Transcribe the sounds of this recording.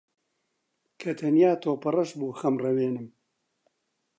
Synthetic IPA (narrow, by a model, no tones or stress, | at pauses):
kʰɐt̪ʰɐnjaːt̪ʰoːpɐrɐʃbuːxɐmrɐweːnɨm